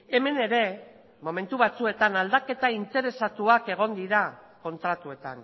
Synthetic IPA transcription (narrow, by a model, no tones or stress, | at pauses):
e̞me̞ne̞ɾe̞ | mo̞me̞nt̪uβat͡sue̞t̪anald̪ake̞t̪aint̪e̞ɾe̞sat̪uake̞ɣ̞o̞nd̪iɾa | ko̞nt̪ɾat̪ue̞t̪a̰n